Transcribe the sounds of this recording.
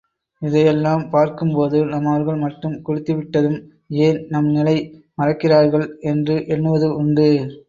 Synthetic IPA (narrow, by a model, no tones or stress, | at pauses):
ɪðɐjɛlːaːmpaːɾkɯmpoːðɯnɐmɐʋɐɾɣɐɭmɐʈːɯmkʊɻɪt̪ːiʋɪʈːɐðɯm | eːnnɐmnɪlɐɪmɐrɐkːɪraːɾɣɐɭɛndrɯʔɛɳːɯʋɐðɯʊɳɖɯ